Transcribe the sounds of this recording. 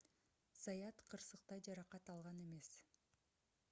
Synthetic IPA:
z̥ɑjɑt̪qʰɯɾsɯq̚t̪ɑjd͡ʒɑɾɑqɑt̪ɑlˠʁɑne̞me̞s

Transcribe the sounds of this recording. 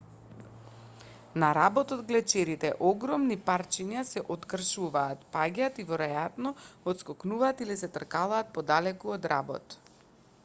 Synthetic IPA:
naɾabɔt̪ɔd̪ɡlɛt͡ʃɛɾit̪ɛ̰ʔɔɡɾɔmnipaɾt͡ʃiɲasɛʔot̪kr̩ʃuvaːt̪paɟat̪ivɔɾɛjat̪nɔɔt̪skɔknuvaːt̪ilisɛt̪r̩kalˠaːt̪̚pɔd̪alɛkuod̪ɾabɔ̰t̪

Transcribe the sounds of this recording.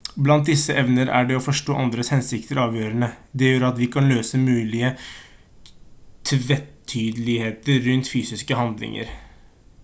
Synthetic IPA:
blɑnt̪̚d̪ɪsːəʔɛʋnəɾʔæ̰ɖɛɔfɔʂʈoːʔɑnd̪ɾəshɛnsɪk̚t̪əɾɑːʋjøːɾənəd̪ɛjøːɾɑt̪ʋɪkʰɑnløːsəmʉːlɪə | t̪ʰʋɛt̪ʰːyːd̪əlɪheːt̪əɾːʉnt̪fyːsɪskəɦɑnd̪lɪ̰ŋə̰ɾ

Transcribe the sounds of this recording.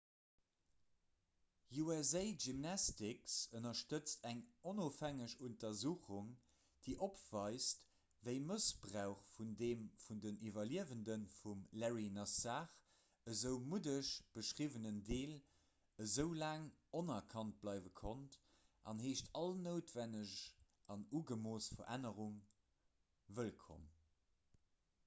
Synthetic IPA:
juɛzeɪʒimnɑstiksənɐʃtət͡stæŋonoːfæŋəʃuntɐzuːχuŋ | d̥eːʔopv̥ɑɪst | vəɪməsb̥ʀæʊχfundeːmfundənivɐliəvəndənfumlɛɹinɑsaːχ | əzəʊmudəʃb̥əʃʁivənəndeːl | əzəʊlaːŋonɐkʰɑnt̚b̥lɑɪvəkʰont | ʔɑ̰nheːʃtʰɑlnəʊtv̥ænəɕ | ʔɑnuːɡəmoːsfɐʔænəʁuŋ | vəlkʰo̰m

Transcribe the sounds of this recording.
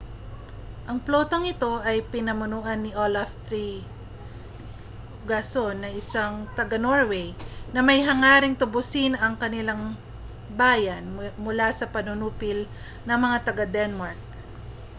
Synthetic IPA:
ʔɐŋploːt̪ɐŋɪt̪o̞ʔɐjpɪnɐmʊnuːʔɐnːɪʔolɐft̪ɾi | ɡasonːɐʔɪsaŋt̪ɐɡanoɹwɛjnɐmɐjɦɐŋaːɾɪŋt̪ʊbʊsɪnɐŋkɐnɪlaŋ | baːjɐnmʊlasɐpɐnʊnuːpɪl | nɐŋmɐŋat̪ɐɡad̪ɛnmaɹk̚

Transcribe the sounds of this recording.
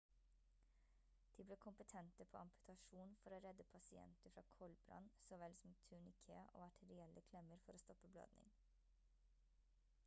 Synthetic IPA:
d̪̥iːbleːkʰʊmpət̪ʰɛnt̪əpʰo̰ːɑmpʉ̥t̪ʰɑʃuːnfɔɾoːɾɛd̪əpʰɑsɪɛ̰nt̪əfɾɑ̰ːkʰɔlbɾɑ̰nsɔʋɛlsɔm̩t̪ʰʉːɳɪkʰḛːʔo̰ːɑʈʰəɾɪɛlːʔəkʰlɛməɾfɔɾoːst̪ɔpːəblɑ̰ːd̪nɪ̰n

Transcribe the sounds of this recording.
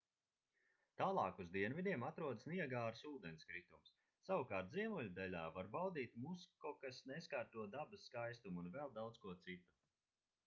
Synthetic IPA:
t̪aːlˠɑːkuzd̪iɛnvid̪ʲiɛmat̪ɾuɔd̪sniɛɡaːɾsuːd̪ɛnskɾit̪umsː | awukaːɾt̪̚ziɛmulʲud̪ɛlʲaːvaɾbawd̪iːt̪muskɔkasneskaɾt̪uɔd̪abɨsːkajst̪umunvɛlˠd̪awt̪skuɔt̪sit̪u̥

